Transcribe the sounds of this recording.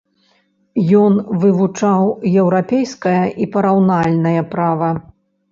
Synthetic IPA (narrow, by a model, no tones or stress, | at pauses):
jɔnvɨvut͡ʂawjɛwɾapʲejskɐjɐʔipɐɾawnalʲnɐjɐpɾavɐ